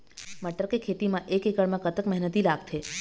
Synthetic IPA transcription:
məʈəɾkekʰet̪imãʔekekəɭmãkət̪əkmɛɦnət̪ilaɡ̚t̪ʰe

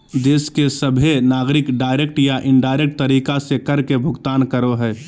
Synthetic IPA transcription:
d̪eːskesəbʱenaːɡɾɪkɖaːɪɾek̚ʈjaʔɪɳɖaːɪɾek̚ʈ̚t̪əɾiːkasekəɾkebʱʊɡt̪aːnkəɾoɦɛː

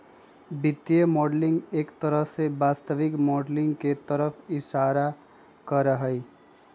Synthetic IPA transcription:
bɪt̪jemɔːɖlɪ̃ŋɡeːkt̪əɾəɦsebaːst̪əʋɪkmɔːɖlɪ̃ŋɡket̪əɾəfʰɪʃaːɾa | kəɾəɦəi

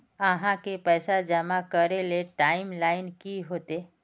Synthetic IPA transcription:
əɦãkepəːsad͡ʒəmakəɾeleʈaːɪmlaːɪnkiɦot̪e

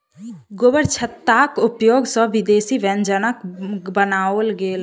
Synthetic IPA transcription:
ɡobəɾt͡ʃʰət̪ːakʊpjoɡsə̃ʋid̪eːsiʋɛ̃nd͡ʒənəkbənaolɡeːl

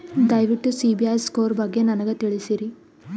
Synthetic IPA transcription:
d̪ɐjʋiʈːusiːbiɐjskoːɾbɐɡːe̞nɐnɐɡet̪iɭisiɾi

